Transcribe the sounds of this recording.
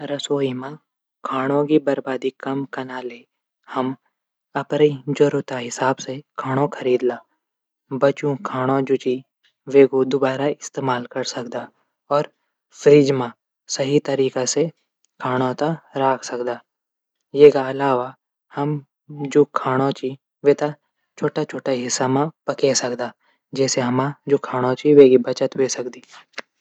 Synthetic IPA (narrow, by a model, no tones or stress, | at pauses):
ɾɐsoːimã | kʰaːɽ̃õkibɐɾbaːd̪ikɐmkɐnaːle | hɐm | ɐpɾəid͡ʒoɾʊt̪aɦɪsaːbsekʰaːɽ̃õkʰɐɾiːd̪laː | bɐt͡ʃũkʰaːɽ̃õd͡ʒʊt͡ʃi | ʋeːkod̪ʊbaːɾaɪst̪eːmaːlkɐɾsɐkd̪aː | ɔːɾ | fɾiːd͡ʒmã | sɐɦit̪əɾiːkase | kʰaːɽ̃õt̪aɾaːkʰsɐkd̪aː | jeːkaɐlaːʋa | hɐm | d͡ʒoːkʰaːɽ̃õt͡ʃi | ʋeːt̪a | t͡ʃʰoːʈat͡ʃʰoːʈaɦɪsːamãpɐkesɐkd̪aː | d͡ʒɛːseɦɐmãd͡ʒoːkʰaːɽ̃õt͡ʃiʋeːɡibɐt͡ʃət̪ʋesɐkd̪iː